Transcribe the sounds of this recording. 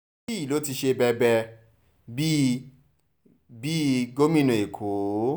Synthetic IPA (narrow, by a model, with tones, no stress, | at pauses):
i˦i˨lo˨˦ti˧ʃe˧bɛ˧bɛ˧ | bi˦ | bi˦ɡo˦mĩ˦nũ˨e˨kʰo˨˦